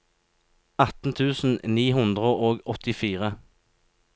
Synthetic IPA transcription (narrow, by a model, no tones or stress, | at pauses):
ɑt̪n̩t̪ʰʉːsn̩niːhʉnd̪ʁəʔoːɡɔt̪ɪfiːʁə